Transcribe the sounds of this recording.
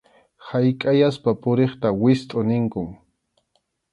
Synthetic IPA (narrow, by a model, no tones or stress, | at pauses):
hajkʼajaspapʊɾeχt̪awɪst̪ʼʊnɪŋkʊŋ